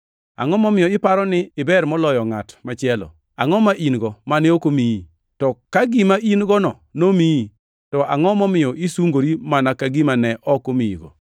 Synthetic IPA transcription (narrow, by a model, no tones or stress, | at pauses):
a̰ŋɔmɔmɪjɔɪpaɾɔnɪɪbɛɾmɔlɔjɔŋatmat͡ʃɪɛlɔ̰ | aŋɔmaʔinɡɔmanɪokomii | tɔkaɡimainɡɔnɔ | nomii | tɔʔaŋɔmɔmɪɔʔisuŋɡoɾimanakaɡimanɛʔɔkomiḭɡɔ̰